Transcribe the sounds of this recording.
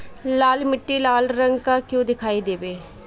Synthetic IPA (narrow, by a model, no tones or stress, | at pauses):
laːlmɪʈːiːlaːlɾəŋɡkakjõːd̪ɪkʰaːiːd̪eːbeː